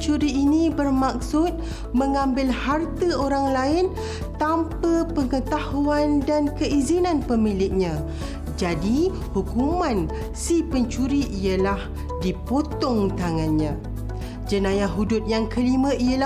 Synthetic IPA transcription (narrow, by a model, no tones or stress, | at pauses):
t͡ʃuɾiːnibərmak̚sʊt̪̚ | məŋãmbɪlhart̪əoɾaŋlaɪn | t̪ampəpəŋət̪ahuandankəʔizinãnpəmilɪk̚ɲã | d͡ʒadi | hukumãn | sipəɲt͡ʃuɾiʔijəlah | dipot̪ɔŋt̪aŋãnɲã | d͡ʒənãjaɦudʊt̪̚jaŋkəlimãʔijəla